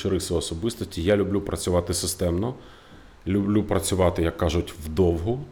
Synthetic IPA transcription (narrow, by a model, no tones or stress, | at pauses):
ʃɪɾɪxsɔɔsɔbɪst̪ɔsʲtʲijalʲʊblʲupɾʔɐt͡sʲʊʋɑt̪ɪsɪst̪ɛmnɔ | lʲʊblʲupɾɐt͡sʲʊʋɑt̪ɪjɐkːɑʒʊtʲwd̪ɔwɦʊ